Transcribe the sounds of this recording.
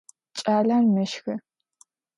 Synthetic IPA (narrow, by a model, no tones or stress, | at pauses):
t͡ʃʼaːɮanmɨʃxɨ